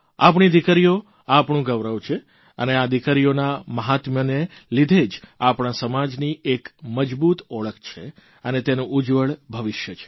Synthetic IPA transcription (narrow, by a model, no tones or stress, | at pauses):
a̰p̬ɳ̃id̪ikəɾijo | apɳũɡəʋɾəʋt͡ʃʰe | ə̰nead̪ikəɾijonaməɦat̪mənelid̪ʱed͡ʒapɳ̃asəmad͡ʒniekməd͡ʒbut̪ɔɭək̚ʰt͡ʃʰe | ənet̪enũʔud͡ʒʋəɭbʱəʋɪʃjət͡ʃʰe̥